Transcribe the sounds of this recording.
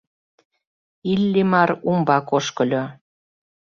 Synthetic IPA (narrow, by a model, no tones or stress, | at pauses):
ilːimɑɾumbɑkoʃkɤ̆lʲo